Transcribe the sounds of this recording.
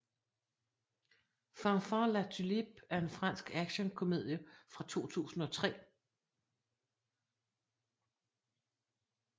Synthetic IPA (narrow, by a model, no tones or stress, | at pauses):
fɑfɑlæt͡sʰylib̥̚æɐe̝nfʁɑ̈n̰sɡ̥æɡ̥ɕənkʰo̝me̝ð̰ˠjəfʁɑ̈t͡sʰo̝̰ːt͡sʰṵːsn̩ɒ̽t͡sʰʁɛ̰ː